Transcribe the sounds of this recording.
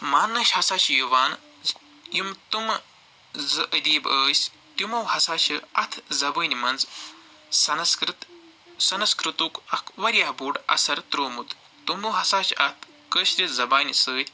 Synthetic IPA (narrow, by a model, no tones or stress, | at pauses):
maːnːɐɕɐsaːʃijuʋaːn | jimt̪um | zʔəd̪iːbəːsʲ | t̪umɐwɦɐsaːt͡ʃiɐt̪ʰzɐbəːnimɐnd͡z | sɐnskɾɨt̪ | sɐnɐskɾut̪uːkɐkʰʋɐɾʲjaːɦbuːɖɐ̰sɐɾt̪ɾoːmut̪ | t̪umɐwɦɐsaːʃiʔɐt̪ʰ | kəːʃt̪ʲizɐbaːnʲisəːt̪ʲ